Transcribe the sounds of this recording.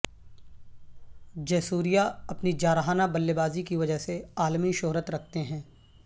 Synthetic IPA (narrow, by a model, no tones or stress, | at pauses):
d͡ʒɛːsuːɾijaɐpnid͡ʒaːɾəɦaːnabɐlːebaːzikiʋɐd͡ʒəɦseaːlmiʃʊɦɾət̪ɾɐkʰt̪eɦɛ̃ː